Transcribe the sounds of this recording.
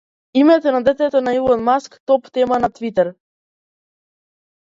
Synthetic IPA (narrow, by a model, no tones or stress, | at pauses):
imɛt̪ɛnad̪ɛt̪ɛt̪ɔnailɔnmaskt̪ɔpt̪ɛmanat̪vit̪ɛɾ